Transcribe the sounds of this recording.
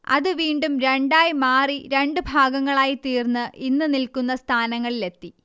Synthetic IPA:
ɐ̰ðɨʋiːɳɖumɾe̞ɳɖaːjmaːriɾe̞ɳɖɨbʱaːɡɐŋːɐɭaːjit̪iːrnːɨʔinːɨnilkunːɐst̪ʰaːnɐŋːɐɭile̞t̪ːi

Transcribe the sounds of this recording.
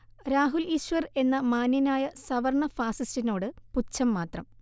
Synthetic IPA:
ɾaːɦuliːɕʋɐre̞nːɐmaːnjɐnaːjɐsɐʋɐrɳɐfaːsistino̞ːɽɨput͡ɕːɐmːaːt̪rɐm

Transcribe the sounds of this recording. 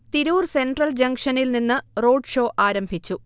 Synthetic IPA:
t̪iɾuːrse̞nɖrɐld͡ʑɐŋkʂɐnilninːɨro̞ːɖʂo̞ːʔaːɾɐmbʱit͡ɕːu

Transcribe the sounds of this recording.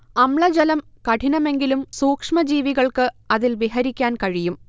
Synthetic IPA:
ɐmɭɐd͡ʑɐlɐmkɐʈʰinɐme̞ŋɡilumsuːkʂmɐd͡ʑiːʋiɣɐɭkɨɐðilbiɦɐɾikʲːaːnkɐɻijum

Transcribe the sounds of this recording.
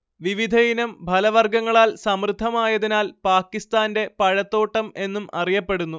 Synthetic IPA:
ʋiʋid̪ʱɐjinɐmbʱɐlɐʋɐrɡɐŋːɐɭaːlsɐmrɨd̪ʱːɐmaːjɐðinaːlpaːkːist̪aːnde̞pɐɻɐt̪ːo̞ːʈːɐme̞nːumɐrijɐpːe̞ɽunːu

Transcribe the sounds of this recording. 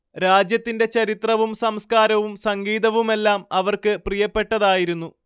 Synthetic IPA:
ɾaːd͡ʑjɐt̪ːinde̞t͡ɕɐɾit̪rɐʋumsɐmskaːɾɐʋumsɐŋɡiːðɐʋume̞lːaːmɐʋɐrkɨprijɐpːe̞ʈːɐðaːjiɾunːu

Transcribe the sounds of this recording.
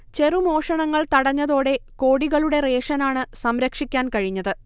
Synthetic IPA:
t͡ɕe̞rumo̞ːʂɐɳɐŋːɐɭt̪ɐɽɐɲːɐðo̞ːɽe̞ko̞ːɽiɣɐɭuɽe̞re̞ːʂɐnaːɳɨsɐmɾɐkʂikʲːaːnkɐɻiɲːɐðɨ

